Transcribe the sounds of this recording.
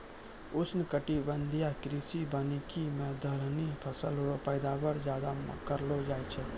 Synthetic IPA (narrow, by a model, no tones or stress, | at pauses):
ʊsnɪkəʈibə̃nd̪ʱijakɾiːsibaːnikimẽd̪ʱəɾnipʰəsəlɦoɾopəːd̪aːwəɾzjaːd̪amkəɾlod͡ʒaːjt͡ʃʰɛ